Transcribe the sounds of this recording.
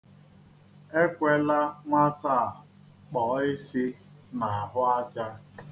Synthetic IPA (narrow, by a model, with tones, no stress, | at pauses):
e˦kʷe˦la˦ŋʷa˦ta˦˨ | k͡pɔ˨ɪ˦si˦ | na˨a˨ɦʊ˦a˦t͡ʃa˦